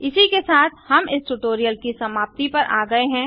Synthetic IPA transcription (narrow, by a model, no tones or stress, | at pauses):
ɪsikesaːt̪ʰhɐmɪsʈʊʈoːɾijəlkisɐmaːp̚t̪ipɐɾʔa̰ːɡɐeɦɛ̃ː